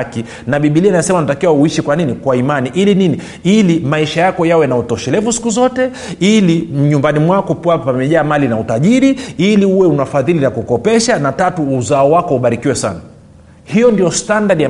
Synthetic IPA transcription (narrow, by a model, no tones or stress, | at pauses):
ki | naɓiɓilianajɛsɛmanatakiwauiʃikwaninikwaimaniʔilinini | ilimaiʃajakɔjawɛnautɔʃɛlɛvusi̥kuzɔtɛ | iliɲumbanimwakɔpwapamɛʄaːmalinautaʄiɾiiliuwɛunafaðilinakukɔpɛʃanatatuːzaɔwakɔuɓaɾikiwɛsa̰na | hijɔndijɔstandaɗija